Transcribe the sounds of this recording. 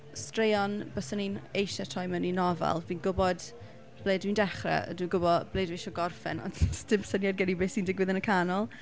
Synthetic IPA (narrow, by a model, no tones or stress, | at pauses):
strejɔnb̥əsəninejʃɛtʰɔjməninɔva̰lˠviːnɡʊbɔd̥ | b̥lˠeːdwindɛχrɛ̰ə̰diːɡʊbɔb̥leːdvejʃɔɡɔrfɛ̰nɔ̰nstɪmsənjadɡənibeːsindɪɡwɪðənəkʰanɔlˠ